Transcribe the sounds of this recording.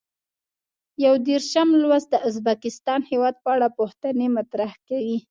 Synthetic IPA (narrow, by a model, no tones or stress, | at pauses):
jawd̪eɾʃamlwazd̪əʊzbakɪst̪ɑnhewɑd̪̚pəaɽapoxt̪ənemat̪ɾahkawi